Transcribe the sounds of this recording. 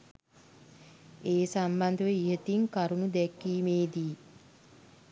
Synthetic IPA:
eːsamband̪əʋəiɦət̪iŋkaɾunud̪ɛkːiːmeːd̪i

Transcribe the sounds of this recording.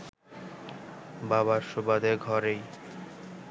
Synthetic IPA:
baβaɾʃobad̪eɡʱɔɾej

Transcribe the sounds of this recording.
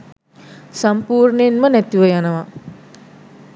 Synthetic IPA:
sampuːrnenmənæt̪iʋəjanəʋa

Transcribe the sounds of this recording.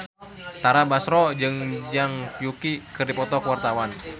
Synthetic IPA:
t̪aɾabasɾɔd͡ʒɨŋd͡ʒaŋpjukikɨrdipɔt̪ɔkəwart̪awan

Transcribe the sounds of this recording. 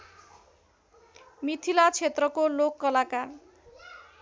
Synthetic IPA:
mit̪ʰilat͡sʰet̪rʌkolokːʌlakar

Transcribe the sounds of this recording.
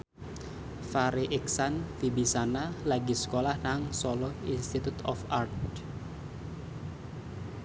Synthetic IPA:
faɾiʔɛksanfibisanalaɡisə̥kolahnaŋsɔlɔinst̪it̪ut̪ɔ̰fart̪

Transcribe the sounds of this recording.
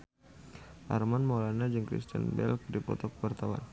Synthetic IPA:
ʔa̰rmanmolanad͡ʒɨŋkɾḭst̪ə̰nbɛ̰lk̚dipɔ̰t̪ɔkəwart̪awa̰n

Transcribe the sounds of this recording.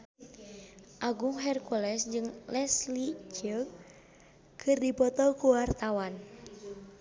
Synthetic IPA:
ʔaɡuŋɦɛrkulɛsd͡ʒɨŋlɛslit͡ʃə | kʰɨrdipɔt̪ɔkuwart̪awan

